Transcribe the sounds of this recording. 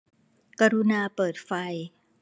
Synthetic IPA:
ka˧ɾu˧naː˧pɤː˨˩t̪̚fa˧j

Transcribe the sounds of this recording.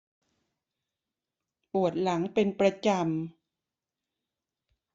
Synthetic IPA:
ʔu˨˩ət̪̚la˩˦ŋpe˧npɾa˧t͡ɕa˧m

